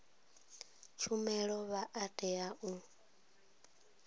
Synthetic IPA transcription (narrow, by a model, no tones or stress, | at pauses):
t͡ʃʰumɛɺɔβaʔatʼɛaʔu